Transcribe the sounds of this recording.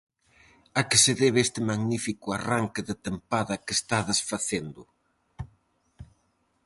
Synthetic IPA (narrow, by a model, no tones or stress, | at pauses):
akɪsɪðeβest̪ɪmaɣnifikʊaraŋkɪðɪt̪empaðɐkest̪aðesfaθend̪ʊ